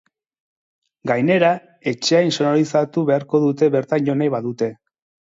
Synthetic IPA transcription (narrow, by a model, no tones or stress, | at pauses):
ɡajne̞ɾa | e̞t͡ʃe̞ajnso̞noɾisat̪uβe̞aɾko̞ðut̪e̞βe̞ɾt̪anjo̞nejβaðut̪e̞